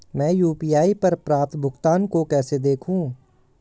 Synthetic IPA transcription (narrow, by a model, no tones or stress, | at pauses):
mɛ̃ːjuːpiːjaːipɐɾpɾaːt̪ʰbʱʊɡt̪aːnkokɛːsed̪eːkʰɦũː